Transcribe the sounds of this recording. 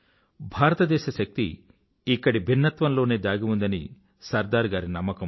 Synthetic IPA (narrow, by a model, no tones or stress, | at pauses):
bʱaːɾɐt̪ɐd̪ɛːʃɐʃɐk̚t̪ḭː | kːɐɽibʱinːɐt̪ʋɐnlo̞ːneːd̪aːɡimund̪ɐni | sɐɾd̪aːɾɡaːɾinɐmːɐkɐm